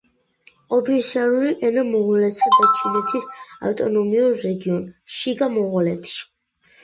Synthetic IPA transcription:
ɔpʰisiaɾuliʔɛnamɔʁɔlɛt̪sad̪at͡ʃʰinɛt̪ʰisa̰ft̪ʼɔnɔmiuɾːɛɡiɔnʃiɡamɔʁalɛt̪ʰi̥

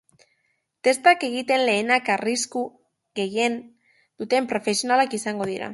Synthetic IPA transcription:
t̪e̞st̪ake̞ɣ̞it̪e̞nle̞ːnakarisku | ɣe̞je̞n | d̪̥ut̪e̞mpɾo̞fe̞sionalakisaŋɡo̞ð̞iɾa̰

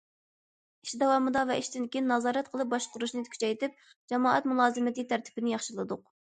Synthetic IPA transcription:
iʃd̪ɛwɑːmɨd̪ɑvɛiʃd̪ɪnkʲinːɑzɑːɾɛt̪qʰəlˠɨp̚bɑʃqʊɾuʃnɨt̪kʰʲy̥t͡ʃɛjt̪ɪp̚ | d͡ʒɛmɑːɛt̪mulˠɑːzɨmɪt̪ɨt̪ʰæɾt̪ʰɪ̥pɪnɪjɑχʃɨlˠɨd̪ʊq̚

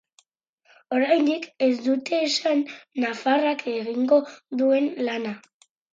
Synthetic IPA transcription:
oɾajnd̪ikezd̪ut̪eːʃanːafarakeɣiŋɡo̞ðuenlana

